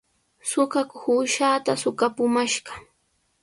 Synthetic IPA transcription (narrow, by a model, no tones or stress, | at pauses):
sʊkakʊhʊʃaːt̪asʊkapʊmaʃɢɑ